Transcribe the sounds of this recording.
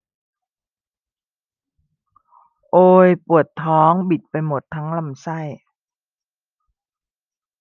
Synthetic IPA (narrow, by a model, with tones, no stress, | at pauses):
ʔoː˧jpu˨˩ət̪ʰːɔː˦˥ŋbi˨˩t̪̚pa˧jmo˨˩t̪ʰːa˦˥ŋla˧˩msa˥˩j